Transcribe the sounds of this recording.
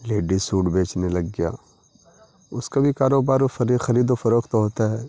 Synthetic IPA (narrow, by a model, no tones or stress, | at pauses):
leːɖisuːʈbʱeːt͡ʃnelɐɡːɪja̰ː | ʊskabʱikaːɾoːbaːɾɐɾxɐɾiːd̪ofɐɾoːkt̪oɦoːt̪aɦɛː